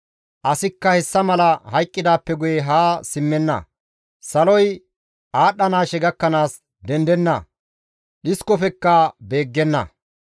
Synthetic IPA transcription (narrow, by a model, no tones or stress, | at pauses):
ʔɐsɪkːɐhɛsːɐmɐlɐhɐjkʼːɪd̪aːpːɛɡʊjɛɦaːsɪmːɛnːɐ̰ | sɐlɔj | aːɗːɐnaːʃɛɡɐkːɐnaːs | d̪ɛnd̪ɛnːɐ̰ | ɗɪskɔfɛkːɐbeːɡːɛnːɐ̰